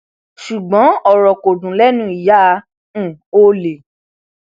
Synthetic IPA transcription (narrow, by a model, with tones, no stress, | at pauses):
ʃu˨ɡ͡bɔ̃˨˦ɔ˦˨ɾɔ˨ko˨dũ˨lɛ˦nũ˦i˨jã˦˧˦ | o˦le˨